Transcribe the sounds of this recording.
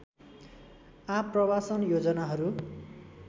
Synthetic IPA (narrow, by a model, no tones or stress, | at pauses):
aprʌbasʌnjod͡zʌnaɦʌɾu